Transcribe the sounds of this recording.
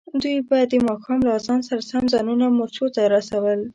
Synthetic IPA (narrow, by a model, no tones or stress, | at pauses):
d̪ujbɑjad̪ːəmɑxɑmlaːzɑnsaɾasamzɑnunamʊɾt͡ʃot̪aɾasawəl